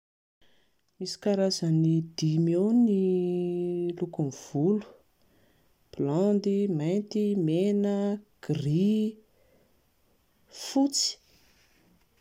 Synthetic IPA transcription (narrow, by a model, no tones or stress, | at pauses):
misi̥kaɾazənid̪̥imewni | lukumv̥ulu̥ | pland̪imajnt̪imenəɡ̥ri | fut͡si̥